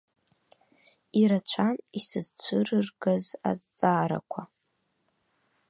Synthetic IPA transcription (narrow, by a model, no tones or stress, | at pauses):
iɾat͡ɕʷʰanisɨzt͡ɕʷʰɨrɨrɡɨza̰zt͡sʼaːɾa̰kʷʰa